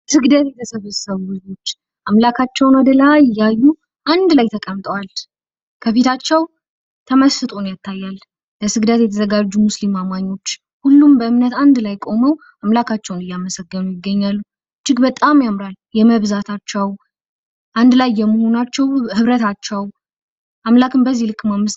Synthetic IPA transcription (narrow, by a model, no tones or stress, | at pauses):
sɨɡd̪ət̪jɛt̪ʰəsəβəsəβuɨzo̞t͡ʃː | ʔamlakʰat͡ʃːɛwnad̪əlaɪjːajːu | ʔand̪lajt̪ʰəkʼəmt̪ʼəwal | kʰəfet̪ʰat͡ʃːɛw | t̪ʰəməsɨt̪ʼonjat̪ʰːajːal | ləsɨɡd̪ət̪jɛt̪ʰəzəɡad͡ʒːumuslimamaɲːo̞t͡ʃː | hulːumbəɨmnət̪and̪lajkʼo̞məw | ʔamlakʰat͡ʃːɛwnɨjːaməsəɡːənujɪɡːəɲːalːu | t͡ʃɪɡbət̪ʼamjamɾaljɛməβzat̪ʰat͡ʃːɛw | ʔand̪lajːɛmːəho̞nat͡ʃːɛwhɨβɾət̪ʰat͡ʃːəw | ʔamlakʰɨmbəzːilɨkːmamːɨst̪